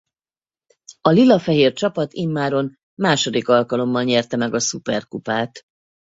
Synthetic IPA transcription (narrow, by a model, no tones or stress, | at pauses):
ɒlilːɒfɛɦeːrt͡ʃɒpɒt̪imːaːɾo̞n | maːʃo̞d̪ikɒlkɒlo̞mːɒlɲɛrt̪ɛmɛɡɒsupɛrkupaːt̪